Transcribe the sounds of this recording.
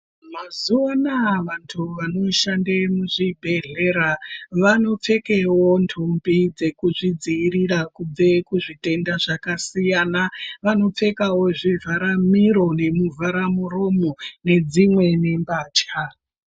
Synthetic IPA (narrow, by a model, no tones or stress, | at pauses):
mazuanaʋantʰuʋano̞ʃandemuʐibʱe̞ɮe̞ɾaʋano̞p͡fe̞kewo̞ntʰumbid͡ze̞kuʐid͡ziːrirakub͡ve̞kuʐite̞ndaʐakasijanaʋano̞p͡fe̞kawo̞ʐivʱaɾamiɾo̞ne̞muvʱaɾamuro̞mo̞ne̞d͡zimwe̞ne̞mbaːt͡ʃa